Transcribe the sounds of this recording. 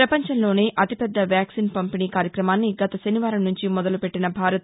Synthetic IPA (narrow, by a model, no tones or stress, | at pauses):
pɾɐpɐɲt͡ʃɐnlo̞ːneːʔɐt̪ipɛd̪ːɐʋjaːksiːnpɐmpiniːkaːɾjɐkɾɐmaːnːiɡɐt̪ɐʃɐniʋaːɾɐmnuɲt͡ʃimɔd̪ɐlupe̞ʈːinɐbʱaːɾɐt̪